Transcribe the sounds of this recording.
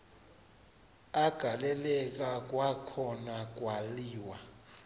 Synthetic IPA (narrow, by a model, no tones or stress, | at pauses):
aɡ̥ʱalɛlɛk̬ak̬ʼwakʰɔnak̬ʼwaliːwa